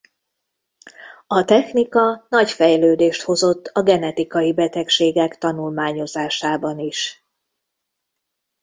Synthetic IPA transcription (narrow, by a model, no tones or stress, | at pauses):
ɒt̪ɛxnikɒnɒɟfɛjløːd̪eːʃt̪ho̞zo̞t̪ːɒɡɛnɛt̪ikɒjibɛt̪ɛkʃeːɡɛkt̪ɒnulmaːɲo̞zaːʃaːbɒniʃ